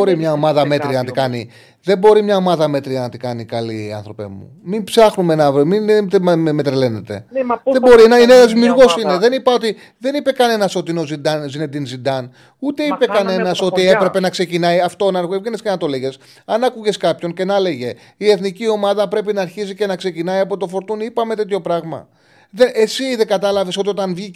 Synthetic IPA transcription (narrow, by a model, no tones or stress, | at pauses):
oɾimɲɐo̞mɐðɐme̞t̪ɾiɐnɐt̪ikɐni | ðe̞bo̞ɾimɲɐo̞mɐðɐme̞t̪ɾiɐnɐt̪ikɐnikɐliɐ̰nθɾo̞pḛmṵmimpsɐxnumenɐvɾimint̪mmet̪ɾele̞ne̞t̪e̞̰ðebo̞ɾinɐinenɐzðimjuɾɣo̞sine̞ðe̞nipɐot̪i | ðe̞nipe̞kɐne̞nɐso̞t̪ino̞zid̪ɐnzined̪inzind̪ɐn | ut̪e̞ipe̞kɐne̞nɐso̞t̪ie̞pɾe̞pe̞nɐkse̞cinɐjɐft̪o̞nɐɾɣoevʝenescenɐt̪o̞leɣe̞s | ɐnɐkuʝe̞skɐpço̞nce̞nɐle̞ʝe̞ | ie̞θnicio̞mɐðɐpɾe̞p̬inɐːɾçizice̞nɐkse̞cinɐiɐpo̞t̪ofo̞ɾt̪unipɐme̞t̪e̞t̪ço̞pɾɐɣmɐ̰ | ðenʔesiðeɡɐt̪ɐlɐvesot̪io̞t̪ɐnvʝi